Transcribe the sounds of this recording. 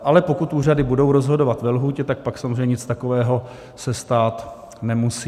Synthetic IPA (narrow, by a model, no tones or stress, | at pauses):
ʔalɛpo̞kut̪ʔuːradɪbudo̞wɾo̞zɦo̞dovat̪vɛlɦuːcɛt̪ak̚paksamzreɲɛɲɪt͡st̪ako̞vɛːɦo̞ | sɛst̪aːt̪ | nɛmusiː